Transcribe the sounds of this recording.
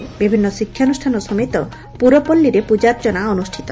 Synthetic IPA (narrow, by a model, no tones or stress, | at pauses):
bibʱinːɔsikʰːjaonusʈʰanɔsɔmet̪ɔ | puɾɔpolːiɾepud͡ʒaɾd͡ʒɔnaɔnusʈʰi̥t̪ɔ